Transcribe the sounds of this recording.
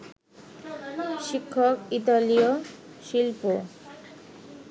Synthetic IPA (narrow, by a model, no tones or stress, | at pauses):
ʃikʰːokit̪alijoʃilpu